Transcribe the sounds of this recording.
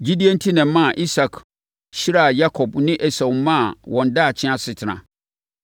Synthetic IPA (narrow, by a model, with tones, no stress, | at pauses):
d͡ʑi˦di˦a˦n̩˦tʰi˦nɛ̃˨m˦mã˦˨ʔi˦sa˨kʰ | ɕi˦ɾa˦˨ja˦kʰɔ˨bnɪ̃˦ʔɛ˦sa˨wmmːã˦a˨wʔɔ̃˨nda˦˨t͡ɕʰɪ̃˦ã˦sɪ˨tʰɪ˨nã̰˨